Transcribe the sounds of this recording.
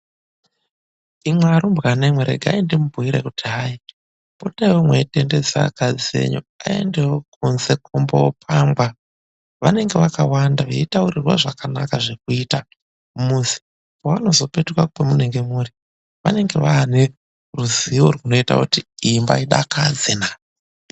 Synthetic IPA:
imwaɾumbɣanemweɾḛɡʱaindimubʱuiɾekutiɦai | potawomweitende̞d͡za̰kad͡ziḛɲo̰a̰e̞̰ndewokunze̞kʰombopʰambwa | ʋane̞ŋɡeʋakawandaʋeitauɾirwa̰ʐakana̰kaʐe̞k̚uita | muzi̥ | waano̞zo̞pe̞tukwakupemuneŋɡe̞muːɾi | ʋa̰ne̞ŋɡe̞ʋaːne | ruziorwuno̞ita̰kutiimba̰iɗa̰kʰad͡zena

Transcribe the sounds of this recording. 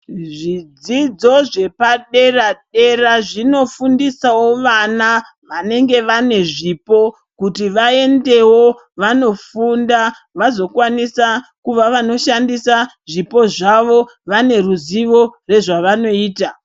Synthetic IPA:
ʐid͡zid͡zo̞ʐe̞paɗe̞raɗe̞raʐino̞fundisawo̞ʋana | ʋane̞ŋɡe̞ʋane̞ʐipo̞ | kutiʋae̞nde̞wo̞ | ʋano̞funda | ʋazo̞kwanisakuʋaʋano̞ʃandisa | ʐipo̞ʐaʋo̞ | ʋane̞ruziʋo̞re̞ʐaʋano̞iːta

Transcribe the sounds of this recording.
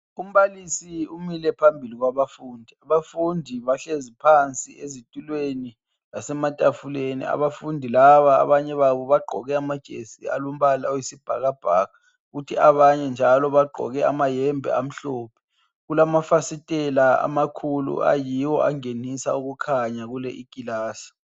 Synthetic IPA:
um̩βalisiumilɛpʰambʱiliɣwaβafuːndʱiaβafundʱiβaɬezipʰant͡sʼiezitʼulweni | lasɛmatʼafulenḭa̰βafundʱilaβa̰ːβaɲɛβaβɔβaɡ͡ǃʱɔɣɛamad̥ʒ̥ʱḛsia̰lum̩βalaojisib̥ʱa̰ɣab̥ʱaɣa | ɣutʰiaβaɲɛnd͡ʒʱalɔβaɡ͡ǃʱɔ̰ɣɛa̰majɛmbʱɛ̰am̩ɬoːpʰɛ̥ | ɣulamafasitʼɛlaa̰makʰulṵʔa̰jiwɔʔaŋenisa̰uɣukʰaɲaɣulɛʔikʼilaːsi̥

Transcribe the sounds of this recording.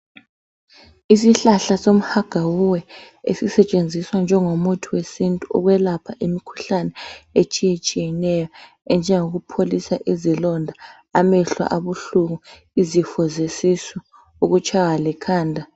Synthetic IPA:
isiɬaɬasom̩haɡ̥ʱawuwɛ | ḛsisɛt͡ʃʼend͡zʱiswand͡ʒʱɛŋomutʰiwesintʼuɔ̰ɣwɛlapʰaʔimikʰu̥ɬanɛet͡ʃʼijet͡ʃʼijɛnɛjɔ | ɛnd͡ʒʱɛŋoɣupʰolisaʔizilɔndʱa | amɛɬwa̰ʔaβuɬuɣu | izifɔzesisɔ | uɣut͡ʃʰʼaɣalɛkʰaːndʱa

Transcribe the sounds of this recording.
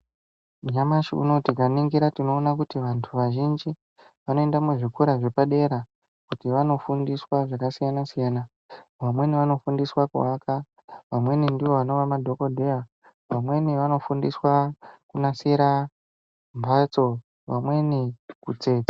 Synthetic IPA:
uɲamaʃiṵno̞tikaniŋɡiɾatino̞ːnak̬utiʋantʰuʋaʒind͡ʒi | ʋano̞endamuʐikuɾaʐe̞paɗe̞ɾa | kutiʋano̞fundiswaʐakasijanasijaːna | ʋamwe̞niʋano̞fundiswakṵaka | ʋamwe̞nindiʋo̞ʋano̞ʋamadʱo̞ko̞dʱea | ʋamwe̞niʋano̞fundiswakunasiɾa | mbʱat͡so̞ | ʋamwe̞nikut͡se̞ːt͡sḁ

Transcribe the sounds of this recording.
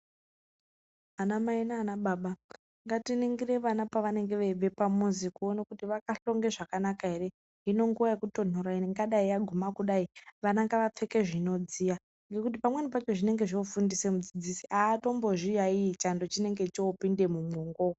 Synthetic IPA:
anamainaːnaɓaɓa | ŋɡatiniŋɡireʋanapaʋane̞ŋɡe̞ʋeve̞pamuzikuonakutiʋakaɬo̞ŋɡe̞ʐakanakaɦe̞ɾe̞ | ɦino̞ŋɡuʋaekuto̞noɾaiŋɡaɗaijaɡʱumakuɗaiʋanaŋɡaʋap͡fe̞ke̞ʐino̞d͡zija | ŋɡe̞kut̬ipamwenipat͡ʃo̞ʐine̞ŋɡe̞ʐofundisemud͡zid͡zisiʔaːto̞mbo̞ʐijaiːt͡ʃando̞t͡ʃine̞ŋɡe̞t͡ʃoːpinde̞mumwoŋɡo

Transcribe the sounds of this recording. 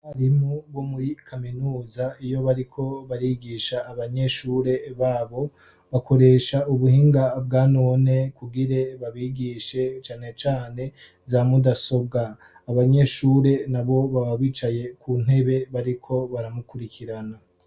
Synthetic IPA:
haɾimubwo̞muɾikʰaminuːzaijo̞βaɾikʰo̞βaɾiɡiːʃaːβaɲe̞ʃuːɾe̞βaːβo̞ | βakʰo̞ɾe̞ːʃauβuhiːŋɡab̚ɡaːno̞ːne̞kuɡiɾe̞βaβiɡiʃe̞t͡ʃaːne̞t͡ʃaːne̞ | zamudaso̞b̚ɡaː | βaɲe̞ʃuːɾe̞naβo̞βaβaβiːt͡ʃaje̞kʰun̥e̞βe̞βaɾikʰo̞βaɾamukuɾikʰiɾana

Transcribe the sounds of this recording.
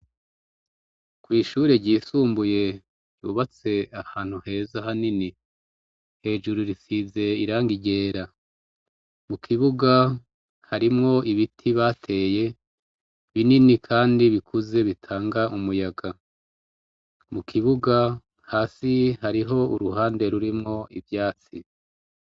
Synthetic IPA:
kwiːʃuːɾe̞ɟiːsuːmbuje̞ | ɟuβat͡se̞ahaːn̥huhe̞ːzahanini | he̞ːd͡ʒuɾuɾisize̞iɾaːŋɡiɟe̞ːɾa | mukʰiβuɡa | haɾimŋo̞ʔiβitʰiβaːtʰe̞ːje̞ | βininikʰaːndiβikʰuze̞βitʰaːŋɡaʔumujaɡa | mukʰiβuɡa | haːsihaɾiɦo̞uɾuɦaːnde̞ɾuɾimŋo̞ʔivjaːt͡si

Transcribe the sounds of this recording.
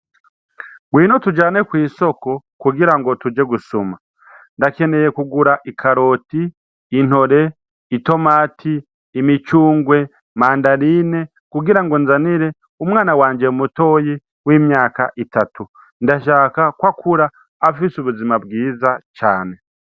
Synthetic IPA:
ɡwiːnotud͡ʒaːne̞kwiːso̞ko̞kuɡiɾaŋɡo̞tud͡ʒe̞ɡusoma | ndake̞ne̞je̞kuɡuɾaʔikʰaɾo̞ːtiː | n̥ho̞ɾe̞ | ito̞maːtʰiː | mit͡ʃuːŋɡwe̞ | maːndaɾine̞ | kuɡiɾaŋɡonzaniɾe̞ | umwaːnawaːɲd͡ʒeumuto̞ji | wiːmɲaːka̰ʔitatu | ndaʃaːkakwakʰuɾaː | fisuβuzimab̚ɡiːzat͡ʃaːne̞

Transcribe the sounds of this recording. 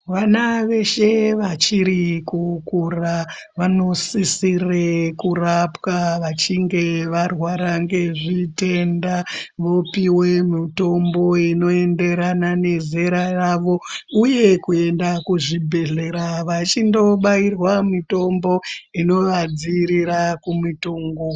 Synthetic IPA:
ʋanaʋe̞ʃe̞ʋat͡ʃiɾikukura | ʋano̞sisirekurapwaʋat͡ʃiŋɡe̞ʋarwaɾaŋɡe̞ʐite̞ndaʋo̞piwe̞mito̞mbo̞ino̞e̞nde̞ɾanane̞zeɾaraʋo̞uje̞kue̞ndakuʐibʱe̞ɮe̞ɾaʋat͡ʃindo̞ɓairwamito̞mbo̞ino̞ʋad͡ziɾiɾakumituːŋɡo

